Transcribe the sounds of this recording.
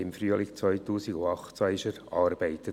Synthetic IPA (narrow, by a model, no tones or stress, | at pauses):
ɪmfryəlɪkt͡sʋœʏt̪uːsiɡʊɑχt͡sɑɪʃəɾɑːɾb̥ɛɪt̪ə